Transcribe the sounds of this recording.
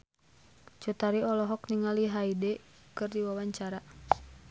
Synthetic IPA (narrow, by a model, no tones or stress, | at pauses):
t͡ʃut̪aɾiɔlɔɦɔkniŋaliɦaidɛkɨrdiwawaɲt͡ʃaɾa